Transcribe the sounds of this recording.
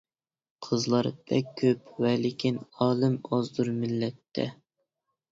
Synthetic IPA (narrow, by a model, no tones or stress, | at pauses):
qʰəzlˠɑɾb̥ɛkʲʰːøpwɛlɪkʲʰinɑːlˠɨmɑzd̪uɾmɪlːɛt̪ʰːɛ̰